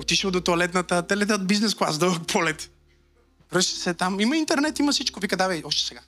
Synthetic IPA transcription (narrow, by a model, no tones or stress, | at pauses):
ot̪iʃəlˠd̪ot̪oalɛt̪nət̪ət̪ɛlɛt̪ɛod̪biznɛsklˠazd̪əkpʰɔlɛt̪ | vɾəʃi̥sɛt̪amimɐint̪ɛɾnɛt̪imɐsit͡ʃkovikəd̪avɛɔʃt̪ɛ̥sɛɡa